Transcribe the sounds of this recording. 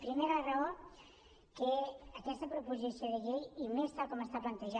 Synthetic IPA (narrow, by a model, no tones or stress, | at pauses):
pɾimeɾaraoɾ | keɐkɛst̪ɐpɾopuʒisjoðeʎejimest̪aβkɔmest̪aplɐnt̪eʒa